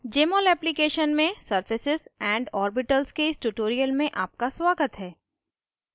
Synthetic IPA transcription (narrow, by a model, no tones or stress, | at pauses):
d͡ʒeːmɔːlɛːplikeːʃənmẽsɐɾfɪsɪzɛ̃ːɳɖɔːɾbɪʈəlskeɪsʈuʈoːɾijəlmẽʔaːp̚kaswaːɡət̪ɦɛː